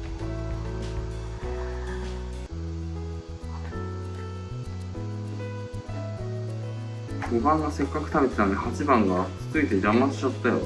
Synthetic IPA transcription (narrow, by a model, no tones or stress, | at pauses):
ɡobãŋɡase̞kːakɯ̟t̪aβe̞t̪e̥t̪amehat͡ɕibãŋɡaki̥t͡sɨit̪ed͡ʑamːat͡sɨ̥ɕat̪ːajo̰